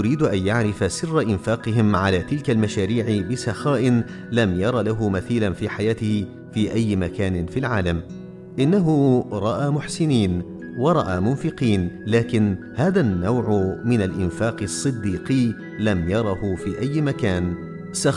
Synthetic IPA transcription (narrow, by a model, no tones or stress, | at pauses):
ʊɾiːd̪ʔanjaʕɾɪfasɪrːaʔɪnfaːqɨɦɪmʕalaːt̪ɪlkalmaʃaːɾiːʕɪbɪsɑxaːʔɪn | lamjɑɾˤɑːlaɦʊmaθiːlanfiːħajaːt̪ɪhɪ | fiːʔajːmakaːnɪfilʕaːlam | ʔɪnːaɦʊɾˤɑʔaːmʊħsɪniːn | wɑɾˤɑʔaːmʊnfɪqiːnlaːkɪnhaːðanːawʕʊmɪnalʔɪnfaːqɨsˤːɨd̪ːiːqiː | lamjɑɾˤɑhʊfiːʔajːmakaːn | sɑ